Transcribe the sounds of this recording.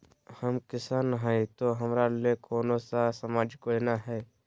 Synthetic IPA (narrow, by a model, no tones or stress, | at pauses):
həmkɪsanɦait̪oɦəmɾalekʰoːnõsasəmaːd͡ʒkoenaɦɛː